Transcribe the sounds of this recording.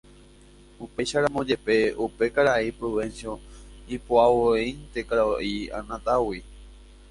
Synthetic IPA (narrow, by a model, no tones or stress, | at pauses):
upe̞jʃaɾãmõd͡ʒe̞pe̞upe̞kaɾaipɾuʋensjõ̞ipoawoejnt̪e̞kaɾaoiã̰nãt̪awi